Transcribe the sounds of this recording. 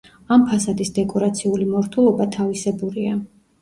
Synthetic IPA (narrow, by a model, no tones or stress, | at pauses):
ampʰasad̪isd̪ɛkʼɔɾat̪sʰiulimɔɾt̪ʰulˠɔbat̪ʰavisɛbuɾia